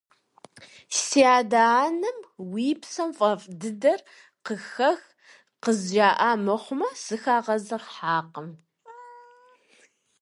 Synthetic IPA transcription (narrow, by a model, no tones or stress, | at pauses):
siaːdaaːnɨmwiːpsɐmfʼɐfʼdɨdɐr | qəxɐx | qəzʒaːʔaːmɐχʷʊmɐsɨxaːʁɐzɐʁħaːqəm